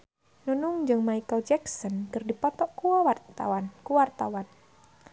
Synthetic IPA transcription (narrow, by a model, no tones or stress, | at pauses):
nunʊŋd͡ʒɨŋmaikəld͡ʒɛksɔnkɨrdipɔt̪ɔʔkuawatawankuwart̪awan